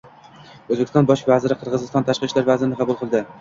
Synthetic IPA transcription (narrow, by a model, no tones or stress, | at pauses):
ɵzbekʰʲɪsɒnbɒʃvazɪɾɪqʰɨɾʁɨzɪst̪ɒnt̪ʰaʃqɨʃlaɾvazɪɾɪnɪqʰɑbʊlˠqʰɨlˠd̪ɪ